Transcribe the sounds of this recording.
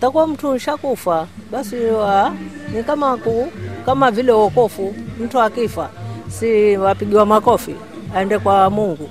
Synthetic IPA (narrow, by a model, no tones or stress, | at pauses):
takuwam̩tʰun̩ʃakufaɓasiwanikamakukamavilɛwɔkɔfum̩tuakifasiwapiɡiwamakɔfḭ | aɛndɛkwamuŋɡu